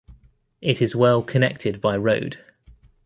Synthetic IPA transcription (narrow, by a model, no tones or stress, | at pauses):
ʔɪtɪzwɛlˠkʰənɛk̚tʰɪd̚baɪɹəʊd̥